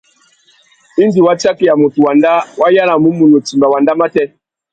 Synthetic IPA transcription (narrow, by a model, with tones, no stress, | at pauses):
i˦ndi˨wa˦t͡ʃa˦ki˨ja˨mu˨tu˨wa˨nda˦wa˦ja˦la˨mu˦mu˨nu˨ti˨mba˨wa˨nda˦ma˦tɛ˦